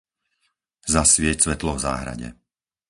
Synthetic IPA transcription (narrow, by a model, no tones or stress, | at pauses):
zasʋɪɛcsʋɛt̪lɔvza̰ːɦɾa̰ɟɛ̰